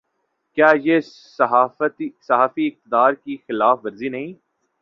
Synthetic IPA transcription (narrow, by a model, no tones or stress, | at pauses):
kjaːje | ɦat̪isɐɦaːfiɪq̚t̪ɪd̪aːɾkixɪlaːfʋɐɾzinɐɦĩː